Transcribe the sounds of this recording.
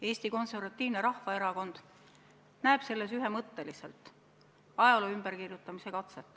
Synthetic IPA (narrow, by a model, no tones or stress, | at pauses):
e̞ːst̪iko̞nse̞rvɑt̪ːiːvneɾɑhvɑeɾɑko̞nd̪̥ | næeb̥se̞lːe̞syɦe̞mɤt̪ːe̞lise̞̰lt̪ˑ | ɑjloymb̥erkirjut̪ːˑɑmise̞kɑt̪set̪ːˑ